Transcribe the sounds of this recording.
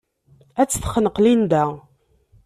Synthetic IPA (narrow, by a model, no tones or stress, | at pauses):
æt͡sːθχənəqlind̪æ